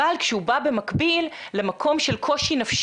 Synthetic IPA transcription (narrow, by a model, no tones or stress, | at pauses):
alkʃɛhubabe̞makbilːe̞makʰo̞mʃe̞lkʰo̞ʃinafʃ